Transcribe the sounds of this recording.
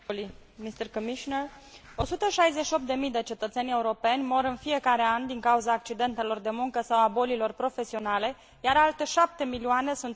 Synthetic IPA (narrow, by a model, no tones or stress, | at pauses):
limist̪ərkomiʃner | o̞sut̪əʃajzeʃio̞p̚t̪d̪e̞mijd̪e̞t͡ʃe̞t̪ət̪se̞nʲe̞uɾo̞pe̞nʲmo̞ɾɨnfije̞kaɾe̞and̪iŋkauzaːk̚t͡ʃid̪e̞nt̪e̞lo̞rd̪e̞muŋkəsawabo̞lilo̞rpɾo̞fe̞sio̞nale̞ | jaɾalt̪e̞ʃap̚t̪e̞milioane̞sunt̪